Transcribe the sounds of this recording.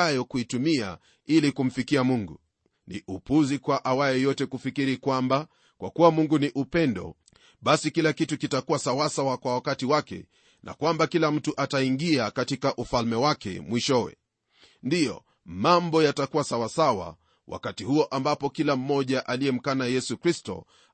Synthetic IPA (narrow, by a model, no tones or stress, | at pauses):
ajɔkuitumia̰ | ilikum̩fikiamuŋɡṵ | nḭʔupuzikwaʔawajɛjɔtɛkufikiɾikwamba | kwa̰kuwamuŋɡuniʔupɛndɔ̰ | ɓasikilakitukitakuwasawasawakwawakatiwakɛ̰ | nʔa̰kwambakilam̩tuʔataiŋɡiakatikaʔufalmɛwakɛ̰mwiʃɔwɛ̰ | ndijɔ̰ | mambɔjatakuwasawasawa̰ | wʔa̰katihuɔʔambapɔkilam̩mɔʄaʔaliɛm̩kanajɛsukɾistɔ̰